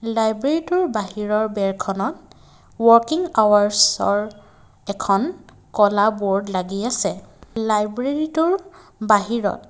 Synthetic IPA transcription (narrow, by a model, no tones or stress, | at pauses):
lajbɹeɹitʊɹbaɦiɹɔɹbɛɹkʰɔnɔt̚ | wɔɹkiŋawaɹsɔ̰ɹ | ɛkʰɔn | kɔlabɔɹdlaɡiasɛlajbɹeɹitʊɹbaɦiɹɔ̰t